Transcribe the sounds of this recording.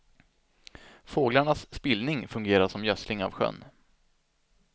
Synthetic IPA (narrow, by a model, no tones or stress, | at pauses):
foːɡlaɳasːpɪlnɪŋfɵŋɡeːɾaʂɔmjœslɪŋa̰vɧœ̰nː